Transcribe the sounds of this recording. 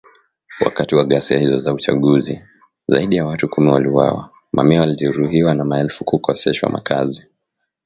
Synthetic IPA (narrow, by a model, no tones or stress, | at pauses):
wa̰katiwaɠasiahizɔzaut͡ʃa̰ɠuzi | zaiɗijawatukumiwaliwa̰wa̰ | mʔa̰miawaliʄɛɾuɦiwanamaɛlfukukɔsɛʃwa̰mʔa̰kʰazi